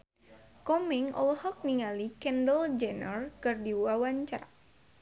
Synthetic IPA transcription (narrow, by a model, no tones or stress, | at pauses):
kɔmɛŋɔ̰lhɔk̚niŋalikɛndəld͡ʒɛnərkɨrdiwawaɲt͡ʃa̰a